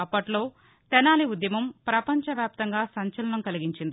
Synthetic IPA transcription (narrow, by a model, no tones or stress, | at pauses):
ɐpːɐʈlo̞ː | t̪ɛnaːliud̪jɐmɐmpɾɐpɐɲt͡ʃɐʋjaːp̚t̪ɐŋɡaːsɐɲt͡ʃɐlɐɳɐmkɐliɡiɲt͡ʃind̪i